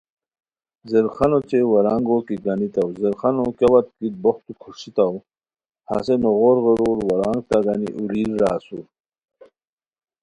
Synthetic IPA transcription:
zəɾxɐnot͡ɕewɐɾaŋɡokiɡanit̪awzəɾxanokɐwɐt̪̚kit̪̚boxt̪ukʰuʂit̪ɐw | ha̰senoɣoɾɣəɾuːɾwɐɾaːŋɡ̚t̪aɡanḭʔuliːɾːaːsu

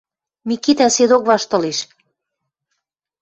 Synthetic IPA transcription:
mikit̪æsed̪okβɑʃt̪ɤ̆leʃ

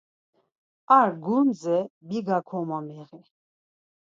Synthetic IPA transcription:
aɾɡumzɛbiɡakʰɔmamɛʁi

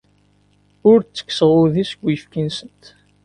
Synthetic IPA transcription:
ʊɾt͡sːə̥kːsəʁʊðisɡʷːifkinsənt̪

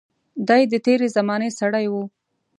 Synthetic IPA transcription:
d̪ɑjd̪ət̪eɾezamɑnesaɽajwu

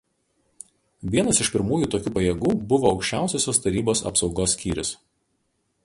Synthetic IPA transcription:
ʋʲiɛnɐsɪʃpʲɪɾmuːjuˑːt̪oːkʲuːpɐjɛɡuːbʊʋoːɒʊkʃʲt͡ʃʲæˑʊsʲoːsʲoːst̪ɐɾʲiːboːsɐ̰psɒʊɡoːsːʲkʲiːɾʲɪs

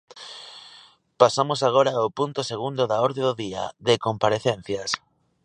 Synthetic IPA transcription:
pasamos̬aɣ̞oɾawpunt̪ʊseɣund̪oðaoɾðeðoðia̰ðekompaɾeθen̟θjɐs

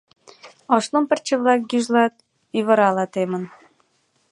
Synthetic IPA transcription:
ɑʃlompə̆rt͡ɕəβlɑk̚ɡyʒlɑt̪̚ | iβə̆ɾɑlɑt̪emə̆n

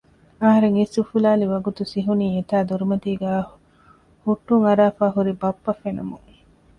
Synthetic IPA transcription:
ɐɦɐɾeŋisufulaːliʋɐɡut̪usiɦuniːet̪aːd̪uɾumɐt̪iːɡæː | huʈːuŋɐɾaːfaːɦuɾibɐpːɐfenɐmuŋ

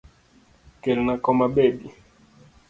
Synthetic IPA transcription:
kɛlnakɔmaɓebi

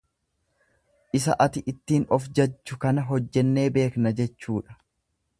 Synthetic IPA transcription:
ʔɪs̬ɐ̰ʔɐt̪ɪʔɪt̪ːiːnɔfd͡ʒɐt͡ʃːʊkɐnɐɦɔd͡ʒːɛnːe̞ːbe̞ːknɐd͡ʒɛt͡ʃːuːᶑɐ̥

